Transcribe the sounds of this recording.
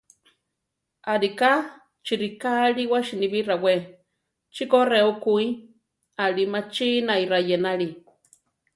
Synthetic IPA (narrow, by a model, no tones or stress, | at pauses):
aɾika | t͡ʃiɾikaɺiwaʃiniβirawe | t͡ʃikoreukui | aɺimat͡ʃinaiɾajenaɺi